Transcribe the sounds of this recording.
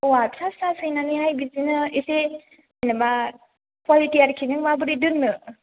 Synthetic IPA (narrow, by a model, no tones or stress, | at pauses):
watʰasasɯjnaniɦajbizinɯise | ajnaba | kwalitiaɾkʰinɯŋmabɯɾidɯnːɯ